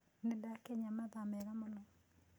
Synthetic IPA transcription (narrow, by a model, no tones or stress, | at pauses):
nedakɛɲamaðamɛɣamɔnɔ